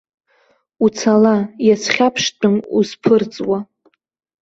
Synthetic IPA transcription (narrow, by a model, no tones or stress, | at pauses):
ut͡sʰalajat͡sʰχʲapʰʂtʼɨmuspʰɨrt͡sʼwa